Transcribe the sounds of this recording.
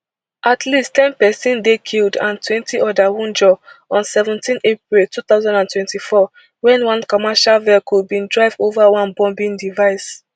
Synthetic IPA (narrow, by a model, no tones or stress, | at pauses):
ʔatʰlisttɛ̃npɛsĩndekʰildãntwɛ̃ntʰiʔɔdawũnd͡ʒɔɔ̃nsɛvɛ̃ntĩnep̚ɹiltut̪aʊzãndãntwɛ̃ntifɔ | wɛ̃nwãnkɔmɛʃalvɛkubĩndɹaɪvovawãnbɔ̃mbĩndivaɪs